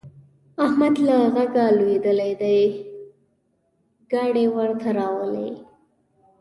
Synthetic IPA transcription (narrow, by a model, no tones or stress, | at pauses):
ahmad̪laɣaɡalwed̪əlajd̪aj | ɡ̥ɑɽewəɾt̪ʰaɾɑwəlḛ